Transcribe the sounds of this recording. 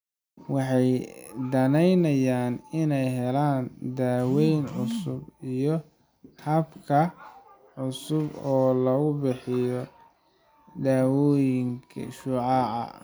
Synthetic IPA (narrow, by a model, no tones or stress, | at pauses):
wɑħɑjd̪ɐnɛjnɐjaːnɪnɛjɦɛlaːnd̪aːwɛjnʕʊsʊbijɔ | hɐbkʰɐ | ʕʊsʊbɔːlɐɣʊbɪħɪjɔ | d̪aːwɔːjɪŋkʰɐ̰ʃuːʕɑʕɐ̰